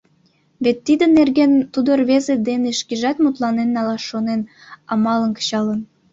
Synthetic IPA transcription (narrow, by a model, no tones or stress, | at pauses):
βet̪ːid̪ə̆nerɡent̪ud̪orβezed̪eneʃkiʒɑt̪mut̪lˠɑnenːɑlɑʃonen | ɑmɑlˠə̆nkə̥ɕɑlɤ̆n